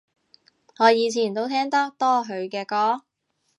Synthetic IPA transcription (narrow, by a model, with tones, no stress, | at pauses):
ŋɔː˨˧jiː˨˧t͡sʰiː˨˩nt̪o˥wt̪ʰɛː˥ŋt̪ɐ˥k̚t̪ɔː˥ɦɵ˨˧ɥkɛː˧kɔː˥